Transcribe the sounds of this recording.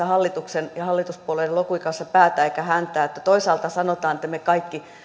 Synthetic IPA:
ɑhɑlːit̪uksenjɑhɑlːit̪uspuoleielokuikɑnsːɑpæːt̪æːeˑikæhænt̪æːet̪ːæt̪oisɑːlt̪ɑsɑnot̪ɑːnet̪ːæmekɑikːi

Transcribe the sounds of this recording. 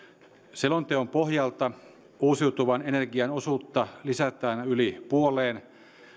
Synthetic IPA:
selont̪eompohjɑlt̪ɑ | uːsiwt̪uʋɑnenerɡiɑno̞suːt̪ːɑlisæt̪æːnylipuoleːn

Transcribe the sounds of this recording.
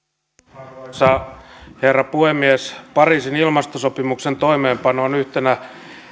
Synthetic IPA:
sɑherːɑpuhemːiespɑriːsinilmɑst̪osopimukse̞nt̪o̞ime̞ːmpɑnoːnyht̪enæ

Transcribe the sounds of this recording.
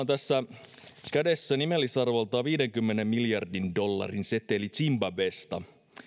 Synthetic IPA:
nt̪æsːæ | kæde̞sːænimelːisɑrʋolt̪ɑːʋiːdeŋkymːenemmiljɑrdindo̞lːɑ̰rinset̪elit͡ʃimbæbest̪ɑ̰

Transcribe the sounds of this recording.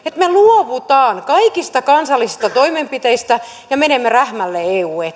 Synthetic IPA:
et̪meluɔʋut̪ɑːŋkɑikist̪ɑkɑnsɑlːisist̪ɑt̪oimempit̪eist̪æ | jɑmenemːeræhmælːeeuːe

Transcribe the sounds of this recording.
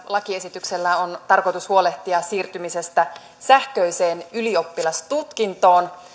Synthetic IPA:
lɑkie̞sit̪ykse̞lːæont̪ɑrko̞jt̪ushuo̞le̞ht̪iɑsiːrt̪ymise̞st̪æ | sæhkøjse̞ːnylio̞pːilɑst̪ut̪kint̪o̞ːn

